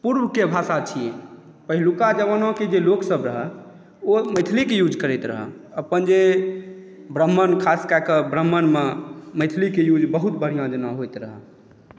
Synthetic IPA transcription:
puɾbʱkebʱasat͡ʃʰije | pəɦilukad͡ʒəʋənõked͡ʒeloksəbɾəɦə | oməjt̪ʰlikejud͡ʒʱkəɾɛjt̪ɾə̰ɦə̰ | əpənd͡ʒe | bɾəmːənkʰaskakəbɾəmːənmeməjt̪ʰlikejud͡ʒʱbəɦut̪bəɽ̤ijãd͡ʒənaɦojt̪ɾəɦə̰

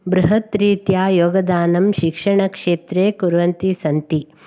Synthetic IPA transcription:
bɾuɦɐt̪ɾiːt̪jaːjoːɡɐd̪aːnɐmʃikʂɐɳɐkʂeːt̪ɾeːkuɾʋɐnt̪isɐnt̪i

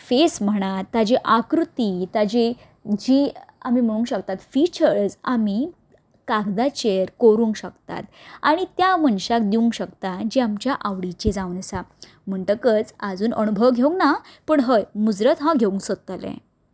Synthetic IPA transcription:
fesm̤əɽ̃at̪ːad͡ʑiʔakɾut̪it̪ad͡ʑe | d͡ʑiamim̤əɽ̃ũŋkɕəkt̪at̪fit͡ɕəɾd͡zami | kaɡd̪at͡ɕeɾkoɾuːŋkɕəkt̪a̰t̪aɽ̃it̪jaməɳɕak̚d̪iuŋkɕəkt̪ad͡ʑiamt͡ɕjaʔaʋɽit͡ɕed͡zaʋunəsa | m̤əɳʈ̪əkət͡sad͡zuːnʔənubʱəʋɡʱeũŋɡnapəɳɦəjmud͡zɾət̪ɦãɡʱeũŋksət̪əlḛ̃

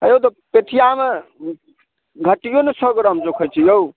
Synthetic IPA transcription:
əjowt̪ɔpet̪ʰijame | ɡʱəʈijonesəɡɾəmd͡ʒokʰəjt͡ʃʰijeu

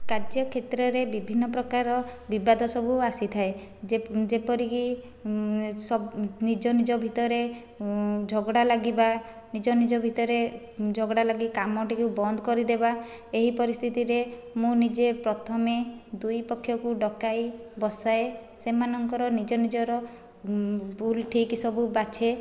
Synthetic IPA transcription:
kaɾd͡ʒjɔkʰet̪ɾɔɾebibʱinːɔpɾɔkaɾɔbibad̪ʱɔsɔbʱuasit̪ʰae | d͡ʒepɔɾiki | sɔnid͡ʒɔnid͡ʒɔbʱit̪ɔɾe | d͡ʒʱɔɡɽalaɡiba | nid͡ʒɔnid͡ʒɔbʱit̪ɔɾe | d͡ʒʱɔɡɽalaɡikamɔʈikubɔnd̪ʱɔkɔɾid̪eba | eɦipɔɾist̪ʰit̪iɾemũnid͡ʒepɾɔt̪ʰɔmed̪ujpɔkʰːjɔkuɖɔkajbɔsaesemanɔŋkɔɾɔnid͡ʒɔnid͡ʒɔɾɔ | bulʈʰiksɔbubat͡ʃʰe

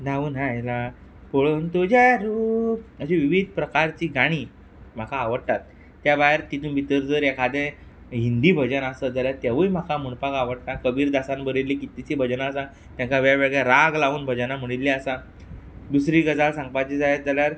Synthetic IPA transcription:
d̪aʋuːnɦãela | poɭənt̪od͡ʑaɾuəɕeʋiʋid̪̚ʱpɾəkaɾt͡ɕiːɡaɽ̃iː | m̤akaːʋəɽt̪at̪ː | jabajeɾt̪it̪uːnbʱit̪əɾd͡zəɾekʰad̪ẽ | ɦind̪iːbʱəd͡ʑənasəd͡zaljat̪jaʋəjm̤akam̤uɳpakaʋəɽt̪akəbiːɾd̪asanbəɾilːikit̪it͡ɕibʱəd͡ʑənaːsa | t̪jãŋkaʋjaʋeɡɭjaɾaɡlauːnbʱəd͡ʑənam̤əɽ̃ilːiasa | d̪usɾiɡəd͡zalsãŋɡ̚pajt͡ɕid͡zajad͡zaljaɾ

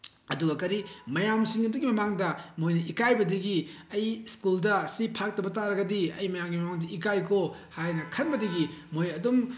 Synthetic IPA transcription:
ɐduɡɐkɐɾimɐjamsiŋɐdɐɡimɐmaŋdɐmojnɐʔikajbɐdɐɡi | ɐjskuldɐsipʰak̚tɐbɐtaɾɐɡɐdiɐ̰jmɐjamɡimɐmaŋdɐikajkʰohajnɐkʰɐnbɐdɐɡimojɐdum

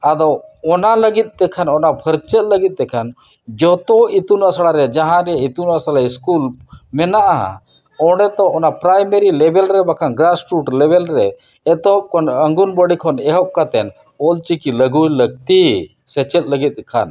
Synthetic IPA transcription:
ad̪ɔɔnaləɡit̪̚ˀd̪ɛkʰanɔnabʱəɾt͡ʃət̪̚ˀləɡit̪̚ˀd̪ɛkʰan | d͡ʒɔt̪ɔit̪unasaɽaɾɛd͡ʒaɦãɾɛit̪unasalaiskulmɛnaʔa̰ | ɔɽɛt̪ɔʔɔnapɾajmeɾilɛbɛlɾɛbakʰanɡɾasʈuʈlɛbɛlɾɛ | ɛt̪ɔp̚kʰɔnəŋɡunbəɽikʰɔnɛɦɔp̚kat̪ɛn | ɔlt͡ʃikiləɡujləɡ̚t̪i | sɛt͡ʃət̪̚ˀləɡit̪̚ˀd̪ɛkʰa̰n

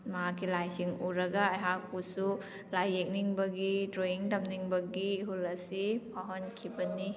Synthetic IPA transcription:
mɐɦakːilajsiŋuɾɐɡaːjɦak̚pusu | lajːek̚niŋbɐɡitɾoiŋtɐmniŋbɐɡiɦulɐsipʰaɦonkʰibɐni

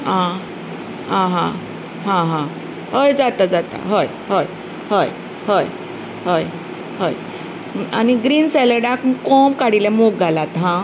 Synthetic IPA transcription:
ɦã | ɦãɦã | ɦãɦã | ɦəjd͡zat̪ad͡zat̪a̰ɦoj | ɦoj | həj | həj | ɦoj | ɦəj | aniɡɾiːnsɛləɖakkɔmkaɽilɛmok̚ɡʱalat̪ɦã

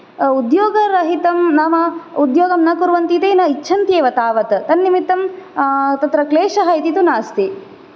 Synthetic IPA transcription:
ud̪joːɡɐɾɐɦit̪ɐmnaːmɐud̪joːɡɐmnɐkuɾʋɐnt̪it̪eːnɐitːt͡ʃʰɐnt̪jeːʋɐt̪aːʋɐt̪t̪ɐnːimit̪ɐm | t̪ɐt̪ɾɐkleːʃɐɦɐit̪it̪unaːst̪i

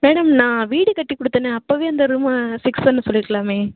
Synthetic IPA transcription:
meːɽɐmnãːʋiːɽɯkɐʈːikːɔɽɯt̪ːɐneɐpːoːʋeːɐnd̪ɐɾumasɪksɐnːɯsɔlːɪɾɯkːɐɭaːmeː

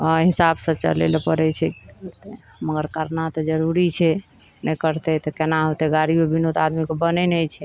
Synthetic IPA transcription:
ɔɦisabsə̃t͡ʃə̰lḛlpəɾɛt͡ʃʰɛɾt̪e | məɡəɾkəɾnat̪ɔd͡ʒəɾuɾit͡ʃʰɛ | nɛkəɾt̪ɛt̪ɔkenaɦot̪eɡaɾibebinot̪ad̪mikobənɛnəjt͡ʃʰɛ

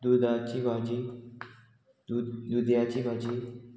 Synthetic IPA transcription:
d̪ud̪at͡ɕibʱad͡ʑi | d̪ud̪jat͡ɕiːbʱad͡ʑiːn

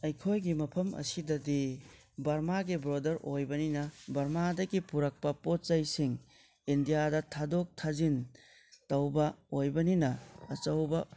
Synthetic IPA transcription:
ɐjkʰojɡimɐpʰɐmɐ̰sidɐdi | bɐɾmaɡibɾodɐɾojbɐninɐbɐɾmadɐɡipuɾɐk̚pɐpot̚zɐjsiŋ | indijadɐtʰadok̚tʰazin | tɐwbɐojbɐninɐɐt͡ʃɐwbɐ

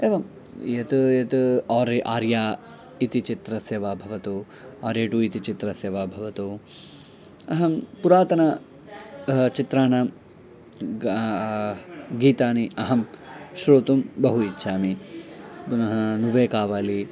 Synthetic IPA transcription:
eːʋɐm | jɐt̪jɐt̪aːɾiʔaːɾjaː | it̪it͡ʃit̪ɾɐsjɐʋaːbʱɐʋɐt̪u | aːɾjeːʈuit̪it͡ʃit̪ɾɐsjɐʋaːbʱɐʋɐt̪u | ɐɦɐmpuɾaːt̪ɐnɐ | t͡ʃit̪ɾaːɳɐ | ɡiːt̪aːniʔɐɦɐmʃɾoːt̪umbɐɦuitːʃaːmi | bunɐɦɐnuʋeːkaːʋaːli

